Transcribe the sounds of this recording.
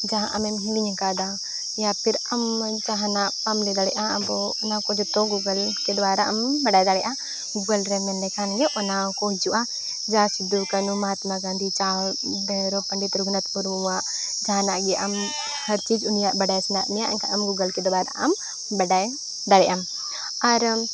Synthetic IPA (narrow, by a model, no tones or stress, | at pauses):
d͡ʒaɦã̰ʔɐmɛmɦuɡiɲɛkad̪a | japʰiɾɐm | d͡ʒaɦãnaʔpamlɛd̪aɽɛʔãəbɔɔnakɔd͡ʒɔt̪ɔɡuɡəlkɛd̪waːɾaʔɐmbɐɖajd̪aɽɛʔa | ɡuɡəlɾɛmɛnlɛkʰanɡɛʔɔnakɔd͡ʒuʔa | d͡ʒãsɪd̪ukɐnumɐɦaːt̪maɡãːnd̪it͡ʃaː | bɛɾopɐɳɖit̪ɾuɡnɐt̪puɾmuãʔ | d͡ʒaːnaʔɡɛʔɐm | hɐɾt͡ʃiːd͡ʒʊnijaʔbɐɖaːjsinat̪mijaʔŋkaʔɐmɡuɡəlked̪waːɾa̰ɐm | bɐɖaj | d̪aɽɛʔam | ɐɾ